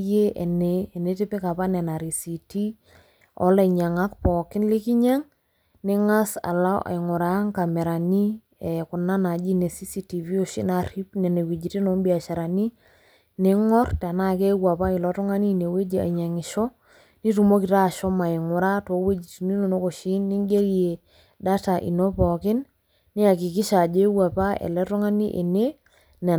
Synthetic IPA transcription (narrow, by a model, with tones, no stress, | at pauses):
je˦ʔɛ˨neː˨ne˦tɪ˦pɛ˦ka˨pa˦nɛ˨na˨ɾi˨si˨ti˦ | ɔ̰˦la˨ɲa˨ŋa˦k̚pɔ˨kɪ˦nlɪ˦kɪ˦ɲa˦ŋ | nɪ˦ŋa˦sa̰˨la˦ʔa̰˨ɪ˨ŋʊ˨ɾa˨˦ŋka˨mɛ˨ɾa˨ni˦ | ɛ˨kʊ˨na˦na˨d͡ʒi˦ne˨si˦si˦ti˨vi˦o˦ʃḭ˦na˨ri˦pnɛ˨ne˨we˨d͡ʒi˨ti˦nɔ˦mbi˦a˨ʃa˨ɾa˨ni˦ | nɪ˦ŋɔ˦rta˨na˦˨ke˦wa˨pa˦ɪ˨lɔ˦tɔ˦ŋa˦ni˦˨ne˨we˦d͡ʒe˨a̰˨ɲa˨ŋɪ˨ʃɔ˦ | ni˦tu˨mo˦ki˨ta˦˨ʃɔ˦ma˨ɪ˨ŋʊ˨ɾa˦to˨˦we˦d͡ʒi˨ti˨ni˦no˨no˦ko˨ʃi˦nːɪ˦ŋɡe˦lie˨ | da˦ta˨ʔḭ˨no˦pɔ˨kɪ˦nː | ɪ˦a˨ki˨kɪ˦ʃa˨d͡ʒe˦wa˨pa˦ḛ˨lɛ˦tɔ˦ŋa˦nḭ˦ʔḛ˨ne˦ | nɛ˨